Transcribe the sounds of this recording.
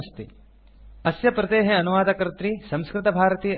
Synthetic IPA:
st̪ḭ | ɐsjɐpɾɐt̪eːɦeɐnuʋaːd̪ɐkɐɾɐt̪ɾisɐ̃mskɾɪt̪ɐbʱaːɾɐt̪iː

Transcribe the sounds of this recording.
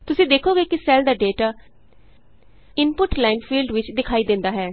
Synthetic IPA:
t̪ʊsĩːd̪eːkʰoːɡeːkɪsɛːld̪aːɖeːʈaː | ɪnpʊʈlaːɪnfʰiːlɖʋɪt͡ʃd̪ɪkʰaːiːd̪ɪ̃nd̪aːɦɛː

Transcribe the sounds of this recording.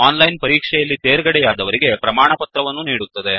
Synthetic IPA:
aːnlɐjnpɐɾiːkʂɛjɐlːit̪eːɾɡɐɽɛjaːd̪ɐʋɐɾiɡe̞pɾɐmaːɳɐpɐt̪ɾɐʋɐnːuniːɽut̪ːɐd̪e̞

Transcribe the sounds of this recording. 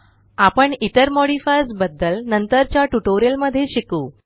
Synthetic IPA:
apəɳit̪əɾmɔɽifajsbəd̪ːəlnənt̪əɾt͡ɕjaʈuʈoɾijəlməd̪ʱːjeɕikuː

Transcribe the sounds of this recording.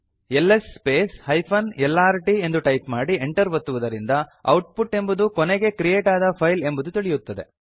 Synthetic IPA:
elːesːpeːshɐjpʰɐnɛlːaːɾiʈie̞nd̪uʈɐjpmaːɽieɳʈɐɾʋɐt̪ːuʋɐd̪ɐɾind̪ɐɐwʈ̚puʈe̞mbud̪ukɔneɡe̞kɾijeːʈaːd̪ɐpʰɐjle̞mbud̪ut̪iɭijut̪ːɐd̪e̞

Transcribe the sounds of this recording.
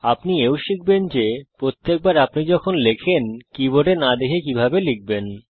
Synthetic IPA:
apniewʃik̚ʰbend͡ʑepɾot̪ːek̚baɾapnid͡ʑɔkʰonlekʰenkiboʈenad̪ekʰekibʱabelik̚ben

